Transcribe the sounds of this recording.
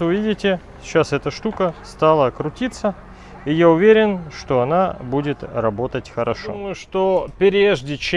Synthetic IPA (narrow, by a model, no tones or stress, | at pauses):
ʊvʲidʲɪtʲɪ | ɕasɛt̪əʂt̪ukəst̪alˠəɐkɾʊtʲit̪sə | ijaʊvʲeɾʲɪnʂt̪o̞ɐnabudʲɪt̪rɐbo̞t̪ətʲxəɾɐʂomʊjʊʂt̪opʲɪɾʲeʐdʲɪt͡ɕ